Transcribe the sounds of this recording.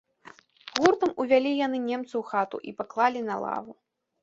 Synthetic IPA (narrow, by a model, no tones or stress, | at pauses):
ɣurt̪ɐmuvʲalʲijan̪ɨnʲɛmt̪sɐwxat̪ṵʔipaklˠalʲinɐlˠa̰vu